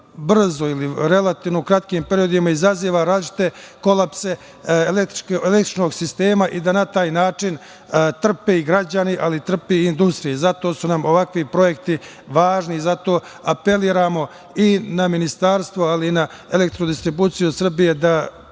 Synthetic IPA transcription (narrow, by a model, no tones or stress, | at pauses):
br̩zo̞iliɾe̞lˠat̪iːʋnokɾat̪kiːmpeɾijo̞d̪imaizaziːʋaɾaːlit͡ʃi̥t̪e̞ko̞lapse̞ | elet̪elekt̪ɾi̥t͡ʃno̞ɡsist̪e̞ːmaʔid̪anat̪aːjnaːt͡ʂin | t̪r̩peiɡɾad͡ʑaniʔalit̪r̩peind̪ust̪ɾijezat̪o̞sunamo̞ʋakʋipɾo̞je̞k̚t̪i | ʋaːʒnizat̪o̞ː | ape̞liːɾaːmo̞ | inaminist̪aːɾst̪ʋoaliːna | ele̞k̚t̪ɾod̪ist̪ɾibuːt̪sijusr̩bije̞d̪a